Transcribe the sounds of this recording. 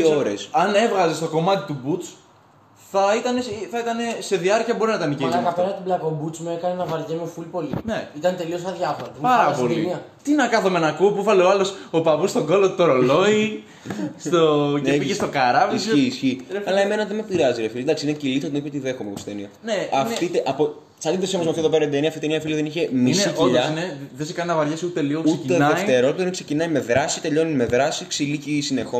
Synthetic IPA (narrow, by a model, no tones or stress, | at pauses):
oɾesɐne̞vɣɐzest̪o̞ko̞mɐt̪it̪ubut͡s | θɐit̪ɐne̞sθɐit̪ɐne̞se̞ðiɐɾciɐbo̞ɾinɐit̪ɐnicilɐɣɐpeɾɐt̪iblɐkobut͡smuekɐnenɐvɐɾʝemofulpo̞lineit̪ɐnt̪e̞liosɐðʝɐfoɾɐpɐɾɐɐspolimiɐ | t̪inɐkɐθomenɐkupuvɐleoɐlo̞sopɐvust̪o̞ɡo̞lot̪ut̪oɾolo̞i | st̪oneiʝest̪okɐɾɐvisiːsçiɐlɐeme̞nɐðemepiɾɐziɾefilid̪ɐksiinecilit̪ot̪inipot̪iðe̞xomekost̪enioneɐft̪it̪eʔɐpo | sɐniðesiomozmɐfioðopeɾɐnd̪eniɐft̪it̪niɐfiliðeniçe̞misicʎɐneðesikɐninɐvɐɾʝesut̪e̞liɣouset̪ienðeft̪e̞ɾop̪ðonikse̞cinɐjme̞ðɾɐsit̪e̞ʎo̞nime̞ðɾɐsiksilicisine̞xo